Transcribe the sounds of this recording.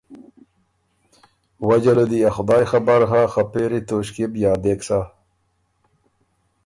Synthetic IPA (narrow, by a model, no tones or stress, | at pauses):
wad͡ʑalod̪iaxʊd̪ɑːjxabaɾɦaxapeɾit̪oɕkibjɑːd̪eksa